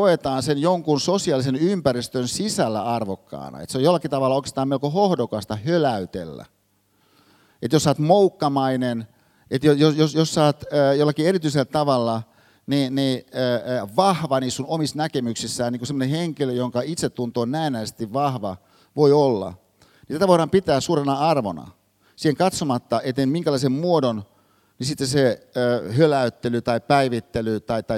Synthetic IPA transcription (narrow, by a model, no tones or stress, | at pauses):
koet̪ɑːnsenjoŋkunsosiɑlisenympærist̪ønsisælːæ̰ɑrʋokːɑ̰ːnɑ̰ḛt̪seojolːˑɑkit̪ɑʋɑlːɑoˑike̥st̪ɑːmeolkohohdokɑst̪ɑhølæyt̪ḛlːæ̰ | et̪josːɑːt̪moukːɑmɑinen | et̪jojosjosjosːɑːt̪ːjolːɑkieɾit̪yiselːt̪ɑʋɑlːɑ | niniː | ʋɑhʋɑniːssunomisnækemyksisːæːniːŋkusemːoneheŋkiløjoŋkɑit̪set̪ːunt̪oːnnæːnæːse̥t̪iʋʋɑhʋɑ̰ | ʋoiolːɑ̰ | nit̪æt̪æʋoiɾɑːmpit̪æːsuːɾenɑɑrʋo̰nɑ̰ | siːheŋkɑt̪somɑt̪ːɑʔet̪ːenmiŋkælɑisemmuodon | nisit̪ːeseøhølæyt̪ːelyt̪ɑipæiʋit̪ːelyt̪ɑit̪ɑi